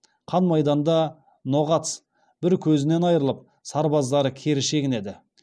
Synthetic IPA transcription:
qʰɑnmɑjd̪ɑnd̪ɑ | no̞ʁɑt̪s | b̥ɪɾkʲʰɵzɪne̞nɑjəɾəlˠəp̚ | sɑɾbɑzd̪ɑɾəkʲʰe̞ɾɪʃe̞ɡʲɪne̞d̪ɪ

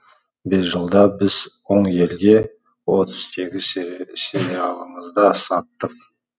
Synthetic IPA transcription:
be̞sʒəlˠd̪ɑbɪz̥wo̞ɴje̞lɡʲe̞ | wo̞t̪ʰʊz̥se̞ɡʲɪzseɾijɑlˠəɴəzd̪ɑsɑt̪ːəq̚

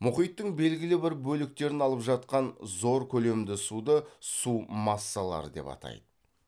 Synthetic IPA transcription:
mʊχijt̪ːəɴbe̞lɡʲɪlɪbɪɾbɵlɪk̚t̪e̞ɾɪnɑlˠəpʒɑt̪qɑnzo̞ɾkʲʰɵle̞md̪ɪsud̪əsumɑsːɑlˠɑ̰ɾəd̪e̞̰pɑ̰t̪ɑ̰jd̪̥ə

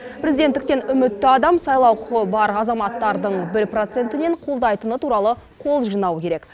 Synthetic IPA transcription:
pʰɾezid̪et̪ːɪkt̪e̞nʏmɪt̪ːɪɑd̪ɑmsɑjlˠɑwqʰʊəbɑɾɑzɑmɑt̪ːɑɾd̪əɴbɪɾpro̞t̪se̞nt̪ɪne̞ɴqʰolˠd̪ɑjt̪ənət̪uɾɑlˠəqʰo̞lˠʒijnɑwəkʲʰe̞ɾek

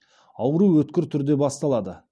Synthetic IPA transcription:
ɑwəɾuwɵt̪kʲɪɾt̪ʰʏɾd̪e̞bɑst̪ɑlˠɑd̪ə

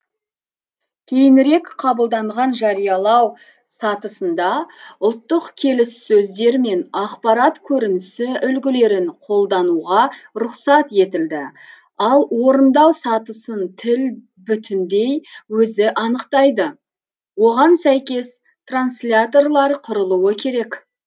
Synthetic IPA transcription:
kʲʰe̞jɪnɾe̞kqʰɑbəlˠd̪ɑɴʁɑnʒɑɾijɑlˠɑw | sɑt̪əsənd̪ɑʊlˠt̪ːəqkʲʰe̞lɪsːɵzd̪e̞ɾme̞nɑqpɑɾɑt̪kʲʰɵɾɪnɪsɪʏlɡʲɪle̞ɾɪɴqʰo̞lˠd̪ɑnuʁɑɾʊqsɑt̪e̞t̪ɪld̪ɪ | ɑlˠwo̞ɾənd̪ɑwsɑt̪əsənt̪ʰɪl | bʏt̪ɪnd̪e̞jwɵzɪʔɑnəqt̪ɑjd̪ə | wo̞ʁɑnsæjkʲe̞s | t̪ranslʲat̪o̞rlˠɑɾqʰʊɾəlˠuwəkʲʰe̞ɾe̞k

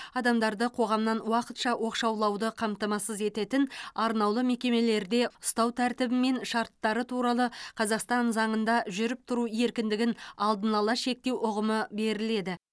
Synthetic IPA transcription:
ɑd̪ɑmd̪ɑɾd̪əqʰo̞ʁɑmnɑnwɑqət̪ʃɑwo̞qʃɑwlˠɑwd̪əqʰɑmt̪ɑmɑsəze̞t̪e̞t̪ɪnɑɾnɑwlˠəme̞kʲe̞me̞le̞ɾd̪e̞ʊst̪ɑwt̪ʰæɾt̪ɪbɪme̞nʃɑɾt̪ːɑɾət̪ʰuɾɑlˠəqʰɑzɑqst̪ɑnzɑɴənd̪ɑʒʏɾɪp̚t̪ʰʊɾue̞ɾkʲɪnd̪ɪɡʲɪnɑlˠd̪ənɑlˠɑʃe̞k̚t̪e̞wʔʊʁəməbe̞ɾɪle̞d̪ɪ

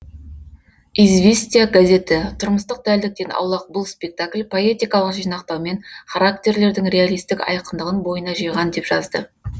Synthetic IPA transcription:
izvʲest̪ijaɡaze̞t̪ɪt̪ʰʊɾməst̪əq̚d̪æld̪ɪk̚t̪e̞nɑ̰wlˠɑq̚bʊlˠspʲe̞k̚t̪aklʲpʰo̞e̞t̪ijkɑlˠəqʒijnɑqt̪ɑwme̞nχaɾakt̪ʲe̞ɾle̞ɾd̪ɪŋrʲealˠijst̪ɪkɑ̰jqənd̪əʁənbo̞jənɑʒijʁɑnd̪e̞pʒ̥ɑzd̪ə

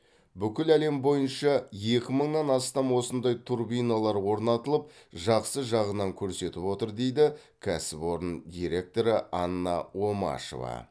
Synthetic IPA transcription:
bʏkʲɪlæle̞mbo̞jənʃɑje̞kʲɪməɴnɑnɑst̪ɑmwo̞sənd̪ɑjt̪ʰurbijnalˠɑɾwo̞ɾnɑt̪əlˠəp̚ | ʒɑqsəʒɑʁənɑŋkʲʰɵɾse̞t̪ɪpwo̞t̪əɾd̪e̞jd̪ɪ | kʲʰæsɪpo̞ɾənd̪ʲiɾe̞k̚t̪o̞ɾəɑnːɑwo̞mɑ̰ʃo̞̰vɑ̰

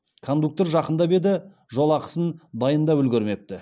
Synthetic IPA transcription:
kʰo̞nd̪uk̚t̪oɾʒɑqənd̪ɑbe̞d̪ɪ | ʒo̞lˠɑqə̥sənd̪ɑjənd̪ɑpʏlɡʲɪɾme̞p̚t̪ɪ

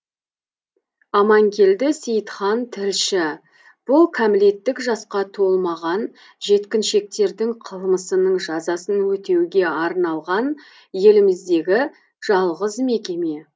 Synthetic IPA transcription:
ɑmɑŋkʲʰe̞ld̪ɪsejt̪χɑnt̪ʰɪɾʃɪ | b̥ʊlˠkʲʰæmɪle̞t̪ːɪkʒɑsqɑt̪ʰo̞lˠmɑʁɑn | ʒe̞t̪kʲɪnʃe̞k̚t̪e̞ɾd̪ɪŋqʰəlˠməsənəɴʒɑzɑsənwɵt̪e̞wɡʲe̞ɑɾnɑlˠʁɑn | je̞lɪmɪzd̪e̞ɡʲɪ | ʒ̥ɑlˠʁəzme̞kʲeme

